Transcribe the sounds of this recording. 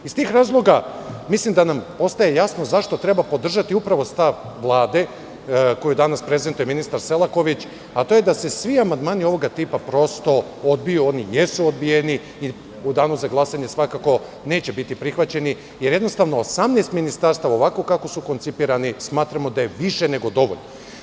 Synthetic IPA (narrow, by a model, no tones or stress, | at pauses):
ist̪iːxɾaːzlˠo̞ɡamislˠimd̪anampo̞st̪aje̞jasno̞zaʃt̪o̞t̪ɾe̞bapo̞d̪r̩ʒat̪iupɾaʋo̞st̪aʋ | ʋlˠaːd̪e̞ | ko̞jud̪anaspɾe̞ze̞nt̪uje̞minist̪aɾse̞lˠako̞ʋit͡ɕ | at̪o̞ːjed̪ase̞sʋiamand̪maːnio̞ʋo̞ɡat̪iːpapɾo̞st̪o̞ | od̪bijuo̞nijesuod̪̚bijeni | i | ud̪aːnuzaɡlˠasaɲe̞sʋakako̞ | ne̞ːt͡ɕe̞bit̪ipɾixʋat͡ɕe̞ni | je̞ɾje̞d̪no̞st̪aʋnoosamneːst̪minist̪aɾst̪aʋaoʋakokako̞suko̞nt̪sipiːɾanismaːt̪ɾamo̞d̪aje̞ʋiʃe̞ne̞ɡo̞d̪o̞ʋo̰ʎno